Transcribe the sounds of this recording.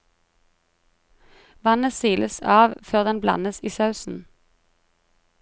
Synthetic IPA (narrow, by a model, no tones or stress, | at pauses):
ʋɑnəsiːləsɑːʋføːʁd̪ɛnblɑ̰nəsiːsɑʉsn̩